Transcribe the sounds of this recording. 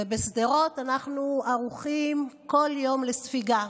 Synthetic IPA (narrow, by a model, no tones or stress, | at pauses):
ebesd̪eʁo̞tanaχnuaʁuχimko̞ljo̞mlesfiɡa